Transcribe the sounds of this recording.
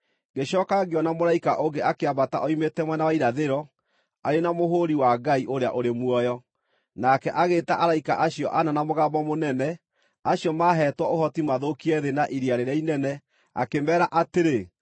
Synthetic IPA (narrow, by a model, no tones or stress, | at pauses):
ɡeɕɔːkaɣeɔnamoɾaikaʔoŋɡeakeabata̰ʔɔimetɛmwɛnawaiɾaðeɾɔ | aɾenamoɦoɾiwaɡaiʔoɾeaʔoɾemwɔjɔ | nakɛʔaɣeːtaʔaɾaikaʔaɕjɔʔananamoɣabɔmonɛnɛ | aɕijɔmaɦɛtwaohɔtimaðokiɛðenaʔiɾiaɾeɾainɛnɛ | a̰kemɛːɾaʔateɾe